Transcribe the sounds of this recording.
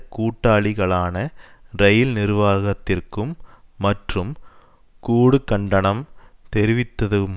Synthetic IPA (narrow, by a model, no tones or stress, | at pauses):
kuːʈːaːɭɪɣɐɭaːnɐɾɐjɪlnɪɾʋaːɣɐt̪ːɪrkɯmːɐʈrɯm | kuːɽɯkːɐɳɖɐɳɐmt̪ɛɾɪʋɪt̪ːɐðɯm